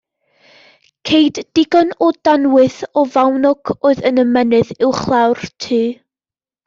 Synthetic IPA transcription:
kʰejdːɪɡɔnɔd̥anwɨθɔvawnɔɡ̥ʰoːɨðənəmɛnɨðɪwχlˠawrtʰɨː

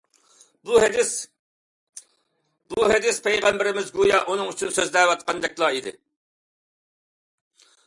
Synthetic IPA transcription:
b̪ | b̥uɦed̪ɪspʰɛjʁɛmbɪɾɪmɪzɡujɑʔunɨŋyt͡ʃʰynsøzlɛwɑt̪̚qʰɑnd̪ɛk̚ʲlˠɑid̪ɪ̰

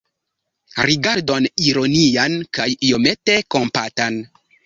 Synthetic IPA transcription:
ɾiɡaɾdoniɾo̞niankajiomete̞kompatan

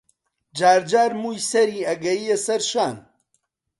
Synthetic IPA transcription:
d͡ʒaːɾd͡ʒaːɾmuːjsɐɾiːɐɡɐjiesɐɾʃaːn

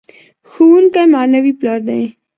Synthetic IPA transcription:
xuːnkamaːnəʋiːplaɾd̪ẽẽ

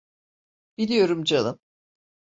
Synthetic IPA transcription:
b̥ilʲijo̞ɾumd͡ʒanɯm

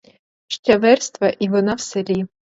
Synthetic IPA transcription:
ʃt͡ʃʲɐʋɛrst̪ʋɐʔiʋɔnɑwselʲi

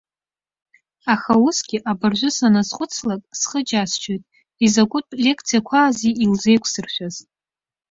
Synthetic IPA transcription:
aχausɡʲɪʔabarʒʷʊsanazqʷʼʊt͡sʰlakʼsχəd͡ʒast͡ʃʰojtʼ | izakʷʼʊtʼlʲe̞kʰt͡sʰijakʷʰaːziilze̞jkʷʰsɨrʃʷᶣaz

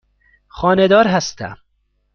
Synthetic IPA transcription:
χɒːned̪ɒːɾɦæst̪ʰæ̰m

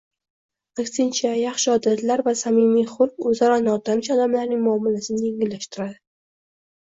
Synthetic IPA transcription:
akʲsɪnt͡ʃʰajaχʃɪɒd̪at̪ʰlaɾvasamimijχʊlɵzaɾɒnɒt̪ʰanɪʃɒd̪amlaɾnɪŋmʊɒmːɪlasɪnɪjeŋɡɪlːaʃt̪ɪɾad̪ɪ

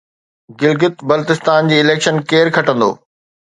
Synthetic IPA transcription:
ɡɪlɡɪt̪bɐlt̪ɪst̪aːnd͡ʑiːɪleːkʃənkeːɾkʰɐʈə̃nd̪o̰ː

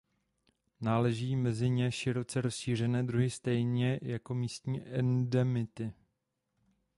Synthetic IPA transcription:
naːlɛʒiːmɛzɪɲɛʃɪɾo̞t͡sɛɾo̞sʃiːr̝ɛnɛːdɾuɦɪst̪ɛjɲɛjako̞miːst̪ɲiːʔɛndɛmɪt̪ɪ

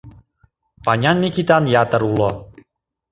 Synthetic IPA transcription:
paɲʲanmikit̪anjat̪əɾulo

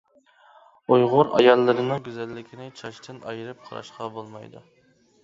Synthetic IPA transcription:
ujʁʊɾɑ̰jɑlˠːɨɾɨnɨŋɡʲyzælːɪkʲʰinɪt͡ʃʰɑʃt̪ʰɨnɑ̰jɨɾɨp̚qʰɑɾɑ̰ʃqɑbolˠmɑjd̪ṵ

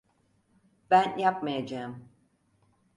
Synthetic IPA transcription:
b̥ænjap̚majad͡ʒeːm

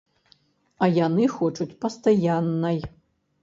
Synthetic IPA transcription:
ɐjanɨxɔt͡ʂut͡sʲpɐst̪ajanːɐj

